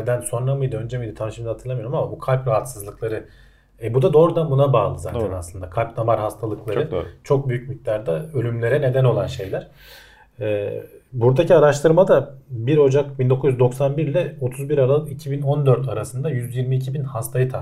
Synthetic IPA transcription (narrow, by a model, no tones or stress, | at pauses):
d̪ænso̞nɾamɯjd̪ɯø̞nd͡ʒɛmijd̪ɯt̪ʰanʃɯmd̪at̪ʰɯɾlˠamijoɾɯmamabukʰalʲpɾaɦat̪sɯzlˠɯklˠaɾɯ | ɛbud̪ad̪o̞ːɾud̪anbunabaːlˠɯza̰ːt̪ʰæna̰slˠɯnd̪akʰalʲp̚namaɾɦast̪ʰalˠɯklˠaɾɯt͡ʃʰo̞k̚byjyc̚mic̚t̪lʲæɾd̪aølʲymlʲe̞ɾɛne̞d̪æno̞lˠanʃe̞jlʲæɾ̥ | ɛːbuɾd̪acʰiaɾaʃt̪ʰɯɾmad̪abiɾo̞d͡ʒakbind̪o̞kuzjyzd̪o̞ksanbiɾlʲɛo̞t̪ʰuzbiɾaɾalˠɯkicʰibino̞nd̪ø̞ɾt̪ʰaɾasɯnd̪ajyzjiɾmiːcʰibinhast̪ʰajɯt̪ʰa